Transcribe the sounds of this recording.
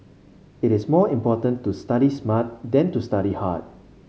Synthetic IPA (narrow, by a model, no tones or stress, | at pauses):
ɪɾɪsmɔĩmpɔtə̃ntustaɾismat̚dɛ̃ntustaɾiha̰t̚